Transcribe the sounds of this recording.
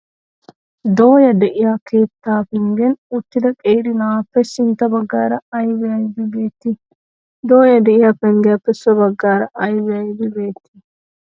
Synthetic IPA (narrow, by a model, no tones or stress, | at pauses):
d̪oːjɐd̪ɛʔɪjaːkiːpt̪ːaːpɛŋɡɛnʊt̪ːɪd̪ɐkʼeːɾɪnaːpːɛsɪnt̪ɐbɐɡːaːɾɐɐjbɛɐjbibeːt̪ːi | d̪oːjɐd̪ɛʔɪjɐpːɛŋɡɛjɐpːɛsɐbɐɡːaːɾɐʔɐjbɛɐjbɪbeːt̪ːi̥